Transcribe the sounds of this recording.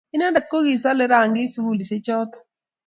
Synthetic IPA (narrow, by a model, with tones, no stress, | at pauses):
ɪ˦na˦nda˨t̪̚ko˦ɡi˨s̬a˦lɪ˦ɾa˨ŋɡɪ˦su˦wu˦li˨sɪ˦t͡ʃɔ˦t̪